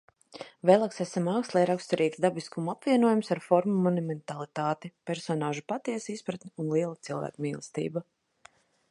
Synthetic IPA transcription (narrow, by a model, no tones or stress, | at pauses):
vɛːlˠaksæsamawkst̪lˠɛjɾakst̪uɾiːt̪sd̪abiskumapviɛnuɔjumsaɾfɔɾmumɔnumɛnt̪alˠit̪aːt̪ipɛɾsɔnaːʒupat̪iɛsispɾat̪niunlˠiɛlˠat̪silˠvæ̰ːkumiːlˠɛst̪ḭːba